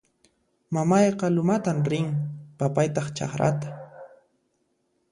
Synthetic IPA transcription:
mamɑjqɑlʊmat̪amɾɪŋpapajt̪ɑχt͡ʃɑ̰χɾa̰t̪ḁ

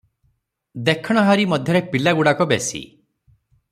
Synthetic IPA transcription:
d̪ekʰɔɽ̃ɔɦaɾimɔd̪ʱjɔɾepilaɡuɽakɔbesḭ

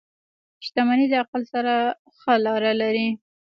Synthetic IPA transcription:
ʃt̪amanid̪əaqalsaɾa | xəlɑɾalaɾi

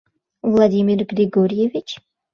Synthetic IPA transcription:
vlˠad̪imirɡɾiɡoɾijevit͡ʃʰ

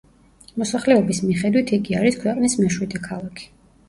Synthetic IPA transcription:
mɔsaχlɛɔbismiχɛd̪wit̪ʰiɡiaɾiskʰwɛqʼnismɛʃwid̪ɛkʰalˠakʰi̥

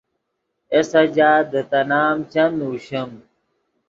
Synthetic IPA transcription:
esɐd͡ʑaːd̪ət̪ɐnaːmt͡ɕɐnuːɕɐm

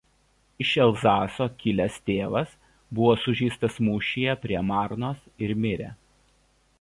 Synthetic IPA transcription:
ɪʃʲɛlˠzɑːsoːkʲɪlʲɛst̪ʲeːʋɐs | bʊʋoːsʊʒʲiːst̪ɐsmuːʃʲɪjɛpʲɾʲiɛmɑˑɾnoːsɪɾmʲɪɾʲæ̰

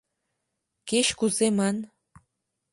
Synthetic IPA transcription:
keɕkuzemɑn

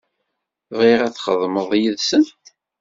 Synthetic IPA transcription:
vʁiʁæθχə̰ðˤməðˤjiðsən

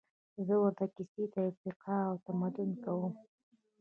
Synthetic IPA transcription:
zəwaɾt̪akɪsit̪afiqɑːwt̪amad̪ʊnkawəm

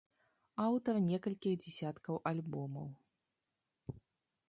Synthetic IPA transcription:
awt̪ɐrnʲɛkɐlʲkʲiɣd͡zʲɛsʲat̪kɐwʔalʲbɔmɐ̰w

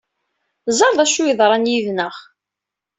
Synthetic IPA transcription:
zˤɑɾˤðˤæʃujəðˤɾˤɑnjiðnəχ

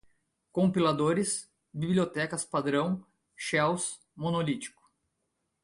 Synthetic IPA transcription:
kõmpilad̪oɾɪs | bibliot̪ɛkɐspad̪ɾɐ̃w̃ | ʃɛws | mõnolit͡ʃi̥kʊ̥

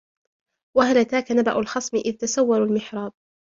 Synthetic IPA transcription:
wahalat̪aːkanaba̰ʔʊlxɑsˤmɪʔɪðt̪asawːɑɾalmɪħɾˤɑːd̪̚

